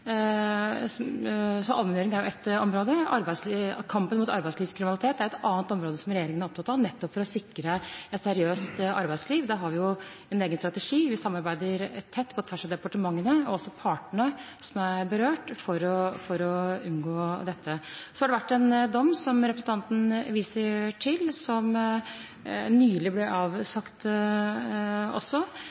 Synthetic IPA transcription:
sɔʔɑlmɛnøːɾɪŋnæɾjʊɛt̪ɔmɾoːd̪əɑɾbæɪslkʰɑmpənmuːt̪ɑɾbæɪsliːʋskʰɾɪmnlɪt̪eːt̪d̪æɾɛt̪ɑːnt̪ɔmɾoːd̪əsɔmɾɛjeːɾɪŋənɑɾɔp̚t̪ɑt̪ʰːɑnɛt̪ːɔpfɔɾɔsɪkːɾəɛt̪sɛɾɪøːst̪ɑ̰ɾbæɪsliːʋd̪ɛɦɑɾʋɪjʊ | ɛneːɡənst̪ɾɑt̪ɛʂiːʋɪsɑmːɑɾbæɪd̪əɾt̪ʰːɛt̪ːpʰɔt̪ʰʋæʂɑʋd̪ɛpɑʈəmɑŋːənəɔɔsːɔpʰɑːʈɳə | sɔmæɾbəɾøːʈfɔɾɔfɔɾɔʉnɡoːd̪ɛt̪ːəsɔhɑɖɛʋæʈːɛnd̪ɔmːsɔmɾɛpɾəsn̩t̪ɑnt̪n̩ʋiːsəʈʰɪlsɔm | nyːlɪblɛʔɑːʋsɑkt̪ | ɔ̰sːɔ

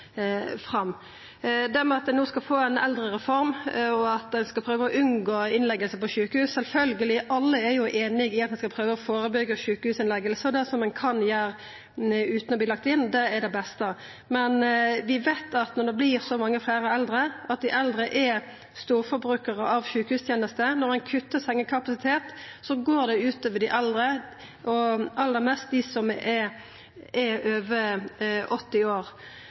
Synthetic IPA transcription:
fʁɑmː | d̪æɾmɛɑt̪̚d̪ɛnoːskɑfoːɛɪnɛ̰ld̪ɾəɾɛfɔɾmɔɑt̪̚d̪ɛnskɑlpʰɾøːʋəɔʔʉnɡoːɪnlɛɡːəlsəpɔʃʉːkəhʉːssɛlfœlɡəlɪʔɑlːəæɾjʊʔeːnɪɡɪɑt̪mɛnskɑpʰɾøːʋəɔfoːɾəbʏɡəʃʉːkəhʉːsɪnlɛɡːəlsəd̪ɛsɔmːɛnkʰɑnjæːɾ | ʉːt̪n̩ɔbliːlɑkt̪ɪnːd̪ɛɛɾd̪ɛbɛst̪ə | mɛnʋɪʋæɪt̪ʰɑt̪nɔʁd̪ɛbliʁsɔmɑŋːəflæːʁəɛld̪ɾəʔɑt̪̚d̪ɪʔɛld̪ɾəʔɛ | st̪uːʁfɔbʁʉːkəʁəʔɑʋʃʉːkəhʉːst̪ʰjeːnəst̪ənɔʁæɪnkʰʉt̪ːəsɛŋːəkʰɑpɑsɪt̪ʰeːt̪sɔɡoːʁd̪ɛʉːt̪əʋɪd̪ɪʔɑld̪ɾə | ʔɔʔɑlːəʁmɛst̪̚d̪ɪsɔmʔɛ | ɛøːʋə | ɔt̪ːɪoːʁ

